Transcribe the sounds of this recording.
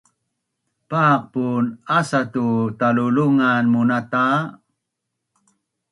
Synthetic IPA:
paq̚punasatutaluluŋanmunata

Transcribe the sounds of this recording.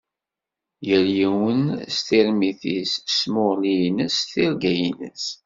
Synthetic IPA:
jəɾjiwənst̪ɪɾmiθḭssmʊʁlijnəsθɪɾɡæjinə̰s

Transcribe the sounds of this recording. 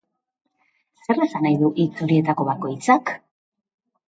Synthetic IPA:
sse̞re̞sanajðuʔit͡suɾie̞t̪ako̞βako̞jt͡sak

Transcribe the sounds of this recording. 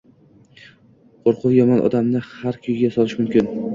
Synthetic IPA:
qʰoɾqʰʊwjɒmɒnʔɒ̰d̪amnɪhaɾkʲʰʊjɪɡʲasɒlˠɪʃmʊmkʲɪn

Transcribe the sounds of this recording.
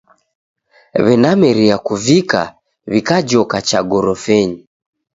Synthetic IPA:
βɛnamɛɾiakuvika̰ | βikad͡ʒɔkat͡ʃaɡɔɾɔfɛɲi

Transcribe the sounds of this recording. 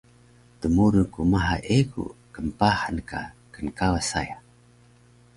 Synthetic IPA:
t̪əmuɾukumaɦa̰ʔeɡṵkəmpahanka̰kənkawasa̰ja

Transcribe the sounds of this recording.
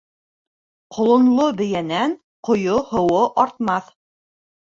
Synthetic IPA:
qʰŏlˠŏnlˠobɘ̆jænæn | qŏjohŏwoʔɑɾt̪mɑθ

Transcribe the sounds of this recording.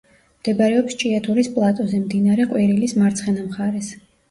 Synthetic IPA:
md̪̥ɛbaɾɛɔpst͡ʃʼiat̪ʰuɾispʼlˠat̪ʼɔzɛmd̪inaɾɛqʼwiɾilismaɾt̪sʰχɛnamχaɾɛs

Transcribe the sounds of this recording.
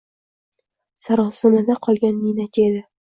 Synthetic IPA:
saɾɒsɪmad̪aqʰɒlˠɡʲanːinakʲed̪ɪ

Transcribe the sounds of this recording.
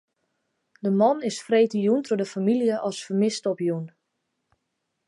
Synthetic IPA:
dəmɔnɪsfreːtəjuntʰʊdəfamilijəʔɔsfərmɪstɔpjun

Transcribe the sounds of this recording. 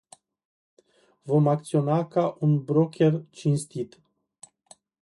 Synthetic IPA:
vo̞mak̚t̪sio̞nakaʔunbɾo̞kʲʰe̞rt͡ʃinst̪it̪

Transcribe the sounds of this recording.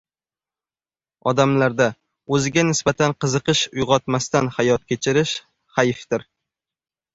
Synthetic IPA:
ɒd̪amlaɾd̪a | ɵzɪɡʲanɪsbat̪ʰanqɨzɨqɨʃʊjʁɒt̪mast̪anhajɒt̪̚kʲʰe̞t͡ʃʰɪɾɪʃ | hajft̪ɪɾ

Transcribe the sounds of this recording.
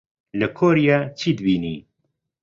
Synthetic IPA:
ləkʰoːɾijaːt͡ʃʰiːd̪ɨbiːniː

